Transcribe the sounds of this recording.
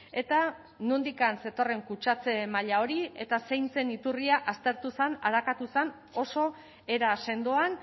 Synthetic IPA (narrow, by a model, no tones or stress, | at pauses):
e̞t̪a | nund̪ikanse̞t̪o̞re̞ŋkut͡ʃat͡se̞maʎao̞ɾie̞t̪ase̞jnt͡se̞nit̪uriaʔast̪e̞ɾt̪usanaɾakat̪usan | o̞so̞ | e̞ɾase̞nd̪oan